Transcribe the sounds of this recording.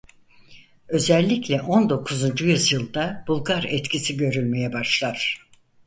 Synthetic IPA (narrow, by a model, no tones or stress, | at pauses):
ø̞zɛlʲːiclʲɛʔo̞nd̪o̞kʰuzund͡ʒujyzjɯlˠd̪ab̥ulˠɡaɾɛt̪cʰisiɟø̞ɾylʲme̞jɛbaʃlˠaɾ̥